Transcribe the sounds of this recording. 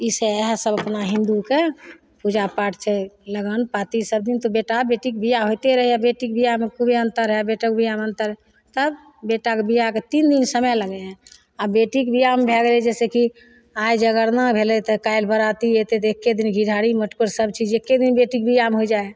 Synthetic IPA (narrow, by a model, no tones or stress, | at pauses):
iseɦsəbəpnaɦĩnd̪uke | pud͡ʒapaʈʰt͡ʃʰɛləɡənpat̪isəb̚d̪int̪ɔbeʈabeʈik̚bijaɦojt̪eɾəɦɛabeʈikbijamekubʱeənt̪əɾɦɛbeʈək̚bʱijameənt̪əɾɦɛ | t̪əb | beʈakebijaket̪ind̪insəmələɡɛɦɛ | abeʈikbʱijambʱɛɡlɛd͡ʒɛseki | ajd͡ʒəɡəɾnəbʱelɛt̪ɔkajlbəɾat̪iet̪et̪ɔekːed̪inɡʱiɽʱaɽiməʈkəɾsəb̚t͡ʃid͡ʒekːed̪inbeʈik̚bʱijamɦod͡ʒae